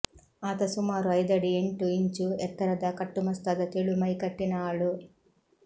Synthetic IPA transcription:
aːt̪ɐsumaːɾuɐjd̪ɐɽieɳʈuiɲt͡ʃuɛt̪ːɐɾɐd̪akɐʈːumɐst̪ɐːd̪ɐt̪eɭumɐjkɐʈːinaːɭu

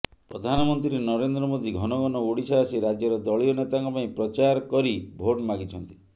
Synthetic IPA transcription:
pɾɔ̰d̪ʱanɔmɔnt̪ɾienɔɾend̪ɾɔmod̪ʱiɡʱɔnɔɡɔnɔoɽisaːsiɾad͡ʒjɔɾɔd̪ɔɭiɔnet̪aŋkɔpaĩpɾɔt͡ʃaɾkɔɾibʱoʈmaɡit͡ʃʰɔnt̪i̥

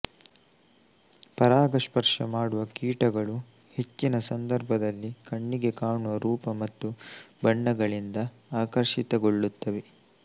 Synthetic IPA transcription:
pɐɾaːɡɐʂpɐɾʂɐmaːɽuʋɐkiːʈɐɡɐɭu | he̞t͡ʃːinɐsɐnd̪ɐɾbʱɐd̪ɐlːikɐɳːiɡe̞kaːɳuʋɐɾuːpɐmɐt̪ːubɐɳːɐɡɐɭind̪ɐ | aːkɐɾʂit̪ɐɡo̞ɭːut̪ːɐʋe

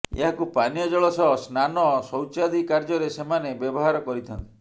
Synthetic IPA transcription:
ḛɦakupanijɔd͡ʒɔɭɔsɔɦsnanɔsɔwt͡ʃad̪ikaɾd͡ʒɔɾesemanebjɔbɔɦaɾɔkɔɾit̪ʰɔnt̪i

